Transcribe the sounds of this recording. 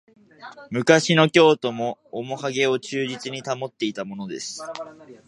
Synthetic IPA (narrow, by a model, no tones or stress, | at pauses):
mɯ̟kaɕino̞kʲo̞ːt̪o̞mo̞ːmo̞haɡe̞o̞t͡ɕɨːʑit͡sɨɲ̟it̪amo̞t̪ːe̞it̪amo̞no̞d̪e̞sɨ̥